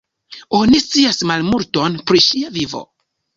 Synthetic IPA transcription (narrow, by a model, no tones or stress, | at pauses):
onist͡siasmalmulto̞npɾiʃiavivo̰